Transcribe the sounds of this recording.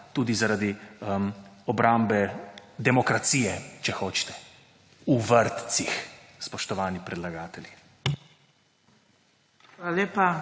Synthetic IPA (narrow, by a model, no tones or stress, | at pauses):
t̪uːd̪izaɾad̪i | ɔbɾʔambɛd̪ɛmɔkɾat̪siːjɛt͡ʃɛxoːt͡ʃt̪ɛ̥ | uʋəɾt̪sixspɔʃt̪ɔʋaːnipɾɛd̪laɡaːt̪ɛli | alaleːpa